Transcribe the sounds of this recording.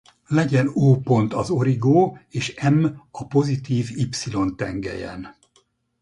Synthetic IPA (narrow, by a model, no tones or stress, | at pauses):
lɛɟɛnoːpo̞nt̪ɒzo̞ɾiɡoːeːʃɛmɒpo̞zit̪iːvipsilo̞nt̪ɛŋɡɛ̰jɛ̰n